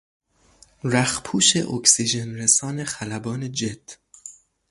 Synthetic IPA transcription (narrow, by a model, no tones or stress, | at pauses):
ɾæxpʰuːʃḛʔoksid͡ʒenɾesɒːne̞xælæbɒːned͡ʒed̪̥